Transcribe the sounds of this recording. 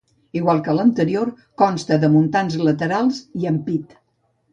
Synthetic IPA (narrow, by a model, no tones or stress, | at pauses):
iɣwalˠkələnt̪əɾioɾ | kɔnst̪əðəmunt̪anzlət̪əɾalˠziəmpit̪